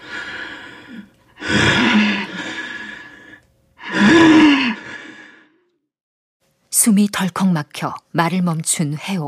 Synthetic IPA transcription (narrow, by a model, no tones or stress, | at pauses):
sʰumitʌɭkʰʌŋmakʰjʌmaɾɯɭmʌmt͡ɕʰunhe̞o